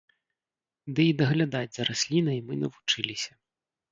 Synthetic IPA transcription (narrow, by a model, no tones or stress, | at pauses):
d̪ɛid̪ɐɣlʲad̪ad͡zʲzɐɾasʲlʲinɐimɨnɐvut͡ʂɨlʲisʲɐ